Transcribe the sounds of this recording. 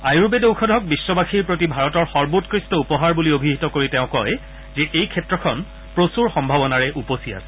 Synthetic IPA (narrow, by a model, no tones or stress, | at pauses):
ajɹubedewkʰɔdʱɔk̚bisːɔbaxʰiɹpɹotibʱaɹɔtɔɹxɔɹbutkɹistɔupɔɦaɹbuliobʱiɦitɔkoɹitɛʊ̃kɔj | zɛʔejkʰɛtɹɔkʰɔn | pɹosuɹxɔmbʱabɔnaɹɛʔuposia̰sɛ̥